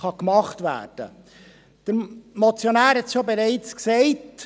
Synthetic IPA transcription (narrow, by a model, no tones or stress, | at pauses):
χɑkmɑχtʋæ̰ːɾd̥ə̰ | d̥əɾmɔt͡sjonæːɾhɛtʃobeɾɛɪt͡sksɛɪt